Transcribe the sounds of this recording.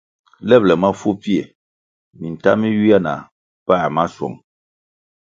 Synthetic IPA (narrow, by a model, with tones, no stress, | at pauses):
lɛ˦plɛ˨ma˦fu˦pi˦e˨ | mi˨n̩˨ta˦mi˦ju˦ja˦na̰˨ | paː˦˨ma˦sɔ̰˨ŋ